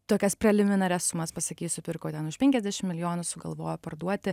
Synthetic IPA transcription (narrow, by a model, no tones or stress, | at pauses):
t̪oːkʲɛspʲɾʲɛlʲɪmʲɪnɐɾʲɛssʊmɐspɐsɐkʲiːsʲʊpʲɪrkoːt̪ʲɛnʊʃpʲɛŋʲkʲɛzʲd̪ʲæːʃʲɪmʲɪlʲɪjoːnʊsʊɡɐ̰lˠʋoːjopɐrd̪uɔt̪ʲɪ